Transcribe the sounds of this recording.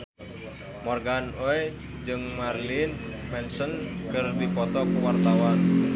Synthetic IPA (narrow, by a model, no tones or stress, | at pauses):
mɔrɡanoe | d͡ʒɨŋmarlinmɛnsənkərd̪ipɔt̪ɔkwart̪awan